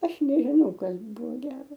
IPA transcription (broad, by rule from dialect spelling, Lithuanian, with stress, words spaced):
ˈɐʃ nʲɛʒʲɪˈnɐʊ ˈkɐs ˈbʊʋoː ˈɡʲæːroː